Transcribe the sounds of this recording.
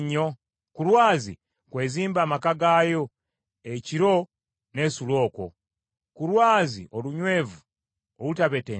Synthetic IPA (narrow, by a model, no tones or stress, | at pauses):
ɲːo̞ | kulwaːzḭ | kwe̞ːziːmbaːmakaɡaːjo̞ | eciɾo̞ | ne̞ːsulo̞ːko̞̰ | kulwaːzḭʔoluɲwe̞ːvu | owutaβe̞te